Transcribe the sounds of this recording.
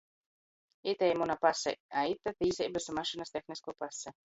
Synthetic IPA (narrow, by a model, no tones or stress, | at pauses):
it̪ɛjmunapasɛ̰ait̪ːat̪iːsɛjbesumaʃinast̪exniskupasɛ